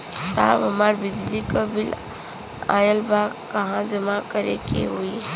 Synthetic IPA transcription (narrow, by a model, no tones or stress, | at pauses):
t̪abəmaɾbid͡ʒlikəbʱil | a̰jəlbʱakːəɦãd͡ʒəmakəɾḛkḛɦui